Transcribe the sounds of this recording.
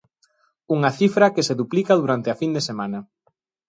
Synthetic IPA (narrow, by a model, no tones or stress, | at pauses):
uŋɐθifɾɐkeseðuplikɐðuɾant̪ɪɐfind̪esemanɐ